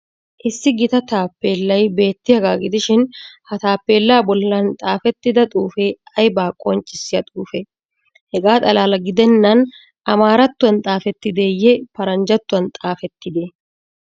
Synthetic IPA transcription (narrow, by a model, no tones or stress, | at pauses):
ʔɪsːɪɡɪt̪ɐt̪aːpːe̞ːlːɐjbe̞ːt̪ːɪjɐɡaːɡɪd̪ɪʃɪnhɐt̪aːpːe̞ːlːaːbɔlːɐnt̪ʼaːfɛt̪ːɪd̪ɐt̪ʼuːfeɐjbaːkʼɔnt͡ʃʼːɪsːɪjɐt̪ʼuːfɛ | hɛɡaːt̪ʼɐlaːlɐɡɪd̪ɛnːɐn | ʔɐmaːɾɐt̪ːʊɐnt̪ʼaːfɛt̪ːɪd̪ejɛpɐɾɐnd͡ʒɐt̪ːʊwɐnt̪ʼaːfɛt̪ːɪd̪e